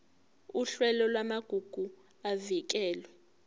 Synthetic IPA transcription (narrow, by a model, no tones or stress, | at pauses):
uɬwɛlɔlwamaɡ̥ʱuɡ̥ʱu | avik̬ɛːlwɛ